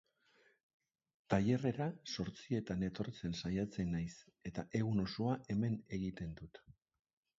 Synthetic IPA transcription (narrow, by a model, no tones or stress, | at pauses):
t̪aje̞re̞ɾaso̞ɾt͡sie̞t̪ane̞t̪o̞ɾt͡se̞nsajat͡se̞najse̞t̪aʔe̞ɣuno̞soaʔe̞me̞ne̞ɣit̪e̞nd̪ut̪